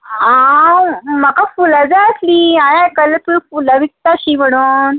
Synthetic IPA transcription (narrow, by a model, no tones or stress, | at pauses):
a | məkafulad͡zaəsliaj̃ãjkəlːət̪uɾifulaʋik̚t̪aɕiʋəɽ̃uːn